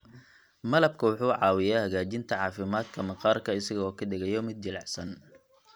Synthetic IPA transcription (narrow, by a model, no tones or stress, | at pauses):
mɐlɐb̚kʰɐwʊħuːʕɑːwɪjaːhɐɣaːt͡ʃɪnt̪ʰɐʕɑːfɪmaːd̪kʰɐmɐqɑːrkʰɐɪsɐɣɔːkʰɐdɪɣɛjɔmɪd̪̚d͡ʒɪlɑʕsɐn